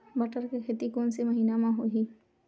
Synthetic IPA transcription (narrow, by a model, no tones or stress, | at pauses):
bɐʈəɾkekʰeːt̪ikoːnsemɐɦiːnamãɦoːɦiː